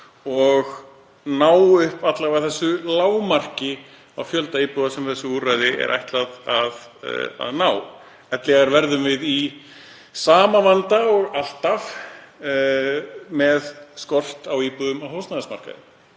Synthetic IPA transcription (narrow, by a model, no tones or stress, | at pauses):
ɔɣ | naːwʏhpat̪lavaɣθɛsːʏlaːwmar̥cɪ | awfjœlt̪aipuðasɛmθɛsːʏurajðɪɛ̰ɾʔa̰jht̪laðað̰ | a̰ðnaːw | ɛt̪lɛɣaɾvɛɾðʏmvɪði | saːmavant̪aɔɣal̥t̪af | mɛðskɔr̥t̪awipuðʏmawhowsnaðasmaɾr̥ka̰ðɪ̰